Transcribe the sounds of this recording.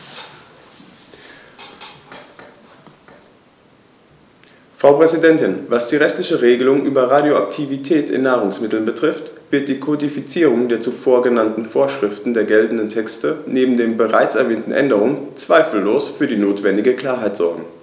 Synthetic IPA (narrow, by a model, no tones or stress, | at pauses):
fʁ̥aʊpʁ̥ɛzidɛntɪnvasd̥iːʁɛçtlɪçəʁeːɡəlʊŋʔyːbɐʁadjoʔaktʰivitʰɛːtʰɪ̰nːaːʁʊŋsmɪtl̩nbətʁ̥ɪftv̥ɪɐt̚d̥iːkʰodifit͡siːʁ̞ʊŋdeːɐt͡sufoːɐɡənantn̩foːɐʃʁ̥ɪftn̩deːɐɡɛltn̩dəntʰɛkstəneːbm̩deːmbəʁaɪt͡sɛɐvɛːntn̩ʔɛ̰ndəʁ̞ʊŋənt͡sv̥aɪfl̩ːoːsfyːɐdiːnoːtv̥ɛndɪɡəkl̥aːɐɦaɪtz̥ɔɐɡŋ̩